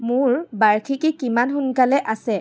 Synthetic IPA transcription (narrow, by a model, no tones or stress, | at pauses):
mʊɹbaɹkʰikikimanxʊnkalɛʔasɛ